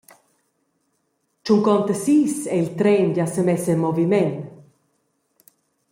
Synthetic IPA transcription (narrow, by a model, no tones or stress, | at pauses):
t͡ʃuŋkɔnt̪əsiːsɛilt̪ɾɛnɟasəmɛsəmɔvimɛn